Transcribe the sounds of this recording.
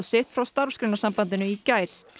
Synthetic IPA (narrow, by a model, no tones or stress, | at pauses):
sɪht̪fɾawst̪aɾfskɾɪnasampant̪ɪnʏicajɾ̥